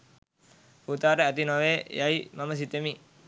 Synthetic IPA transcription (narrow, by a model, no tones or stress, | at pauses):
put̪aːʈəæt̪inoʋeːjaimaməs̬it̪emi